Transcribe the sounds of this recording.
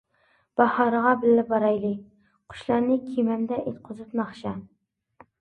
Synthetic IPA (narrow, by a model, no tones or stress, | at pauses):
b̥ɑhɑɾəʁɑbɪlːɪbɑɾɑjlˠɨ | qʰʊ̥ʃlˠɑɾnɪkʲʰemɛnd̪ɛʔet̪̚qʰʊzɨpnɑχʃɑ